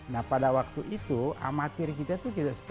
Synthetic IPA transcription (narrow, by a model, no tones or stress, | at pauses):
nahpadawak̚t̪uʔit̪ua̰mat̪ɪrkit̪at̪ut̪idaʔsə̥p